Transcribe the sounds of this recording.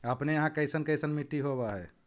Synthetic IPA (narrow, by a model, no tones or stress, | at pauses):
əpnejɐɦãkəɪsənkəɪsənmiʈːiɦobaɦɛː